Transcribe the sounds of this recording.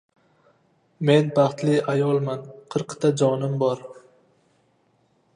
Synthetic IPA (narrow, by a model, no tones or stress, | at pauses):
me̞nbɑχt̪lɪajɒlˠmanqʰɨɾqt̪ʰad͡ʒɒnɪmbɒɾ